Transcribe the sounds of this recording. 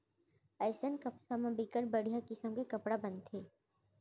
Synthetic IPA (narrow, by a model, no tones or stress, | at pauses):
ɛːsənkɐpsamãbikəɾbɐɽ̤ijakɪsəmkekɐpɽabɐ̃nt̪ʰeː